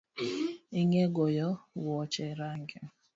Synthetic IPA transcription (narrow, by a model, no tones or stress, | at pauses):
iŋɛɡɔjɔwɔt͡ʃɛɾaŋɡɛ